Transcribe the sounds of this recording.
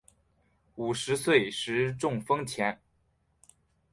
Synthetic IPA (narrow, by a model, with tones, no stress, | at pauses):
u˨˩ʂɻ̩˧˥swe˥˩ɪʂɻ̩˧˥ʈ͡ʂʊ˥˩ŋfɤ˥ŋt͡ɕʰjɛ˧˥n